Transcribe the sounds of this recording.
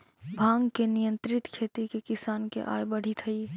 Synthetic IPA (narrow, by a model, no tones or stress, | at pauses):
bʱãːŋɡkenɪjə̃nt̪ɾɪt̪kʰeːt̪ikekɪsaːnkḛʔa̰ːjbəɽ̤it̪ʰəi